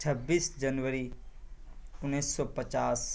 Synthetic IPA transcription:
t͡ʃʰəbːiːsd͡ʒənʋəɾi | ʊnːiːsːɔpət͡ʃaːs

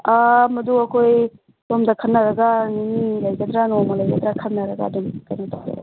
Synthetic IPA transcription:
amɐduɐkʰoj | dɔmdɐkʰɐnːaɾɐɡaninilajɡɐdɾanɔmɐlajɡɐdɾakʰɐtnːɐɾɐɡa̰ːdumkajnotaɾḛ

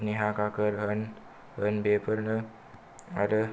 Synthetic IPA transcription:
niɦakakəɾɦən | hənbepəɾnə | a̰ɾə

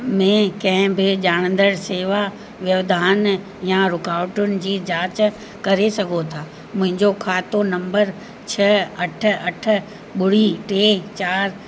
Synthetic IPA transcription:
mẽkɐ̃ɦɪ̃bɪʄaːɽ̃ə̃nd̪əɽseːʋa | ʋjɐʋd̪ʱaːn | jaɾʊkaːʋʈʊnɪ̆d͡ʑiːd͡ʑaːt͡ɕ | kɐɾesɐɡʱot̪ʰaː | mʊ̃ɦɪ̃ɲd͡ʑokʰaːt̪onɐ̃mbəɾ | t͡ɕʰɐɐʈ̆ʰɐʈʰʊ̆ | ɓʊɽ̤iʈeːt͡ɕaːɾ

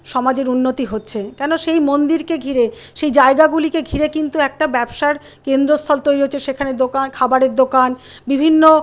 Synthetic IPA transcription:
ʃɔmad͡ʑeɾunːot̪iɦotːɕʰekɛnoʃejmond̪iɾkeɡʱiɾeʃejd͡ʑaeɡaɡulikeɡʱiɾekint̪uɛk̚ʈabɛbʃaɾ | kend̪ɾost̪ʰɔlt̪ojɾiɦotːɕʰeʃekʰaneɾd̪okankʰabaɾeɾd̪okanbibʱinːo

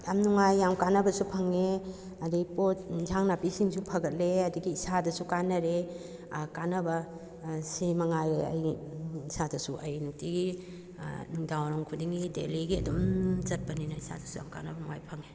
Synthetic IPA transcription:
amnuŋajːamkanɐbɐsupʰɐŋe | ɐdiɡipotzaŋnapisiŋsupʰɐɡɐt̚leɐdiɡiːsadɐsukanɐɾe | kanɐbɐ | simɐŋajeɐ̰jisadɐsuʔɐjnuk̚tiɡi | nuŋdawɾɐŋkʰudiŋɡidḛliɡiɐ̰dumzɐt̚pɐninɐisa̰dɐsuja̰mka̰nɐbɐnuŋajpʰɐŋe

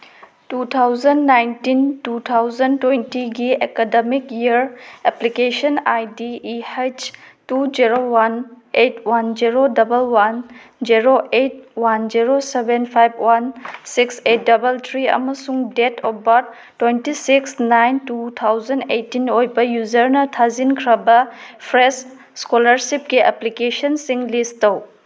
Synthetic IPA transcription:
tut̪ʰawzɐndnajntintut̪ʰawzɐntwejntiɡiḛkademikiɐɾeplikesɐnajdiːhet͡ʃtud͡ʒiɾowan | etwand͡ʒiɾodɐbɐlwand͡ʒiɾoʔet̚wand͡ʒiɾosebenpʰajbwansikset̚dɐbɐlt̪ʰɾiɐ̰mɐsuŋdetʰɔbɐt̚ | tːwentisiksnajntut̪ʰawzɐndejtːinojbɐjuzɐɾnɐtʰazinkʰɾɐbɐpʰɾes | skolɐɾsip̚ɡiʔɐ̰plikesɐnsiŋlistɐw

